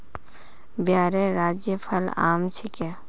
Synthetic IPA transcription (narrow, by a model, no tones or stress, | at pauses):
bjaːɾẽɾaːd͡ʒjəpʰɐla̰ːmt͡ʃʰika